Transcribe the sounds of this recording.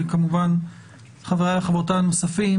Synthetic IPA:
kamuvan | χaveʁaleχabot̪anmasafi

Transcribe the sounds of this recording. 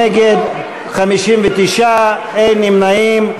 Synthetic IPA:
eɡed̪ | χamiʃimvet̪iʃa | ejnimnaim

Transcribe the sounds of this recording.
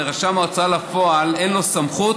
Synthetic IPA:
eʁaʃamaot͡salafoalenlo̞samχut

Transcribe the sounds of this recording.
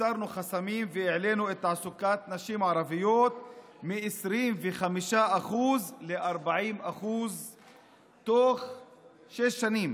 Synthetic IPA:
aɾnuχasamimveeʕle̞nuet̪ʕasukat̪naʃimʕaɾavijot̪ | miʕesɾimveχamiʃaʔaχuzleʔaɾbaʕimaχuz | t̪oχ | ʃeʃːanim

